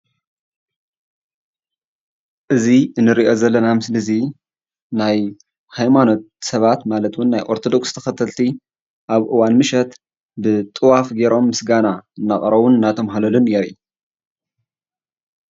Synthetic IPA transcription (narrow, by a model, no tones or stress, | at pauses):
ʔɨziɨnːɨɾiʔo̞zɐlːɐnamɨslɨzi | naj | hajmano̞t̪̚sɐβat̪malɐt̪wunːajʔoɾt̪ʰo̞d̪okst̪ʰɐ̥xɐt̪ʰɐlt̪ʰi | ʔaβʔɨwanmɨʃɐt̪ | bɨt̪ʼɨwafɡeɾo̞mːɨsɡanaɨnːaχʼɾɐwunɨnːat̪ʰɐmɦalɐlunjeɾi